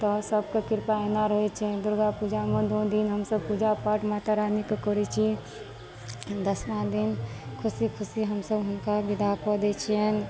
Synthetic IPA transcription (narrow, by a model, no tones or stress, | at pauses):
t̪ɔsəb̚kekɪɾpaenaɾəɦet͡ʃʰɛd̪ʊɾɡapud͡ʒamẽd̪od̪inɦəmsəb̚pud͡ʒapaʈmat̪aɾanikkɔɾit͡ʃʰi | d̪əsmãd̪inkʰʊsikʰʊsiɦəmsəbɦʊnkabid̪apɔd̪et͡ʃʰiɛn